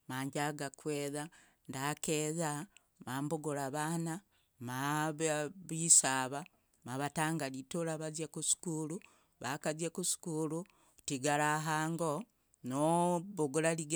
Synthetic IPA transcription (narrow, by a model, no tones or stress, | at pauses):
maːɲɟaɡakweːða | ndakeða | maːmboɡuɾaβana | maββisaːβa | maβataːŋɡalitulaβazjekusi̥kulu | βakazjekusi̥kulu | tiɡalaɦaːŋɡo | noβoɡulaliɡ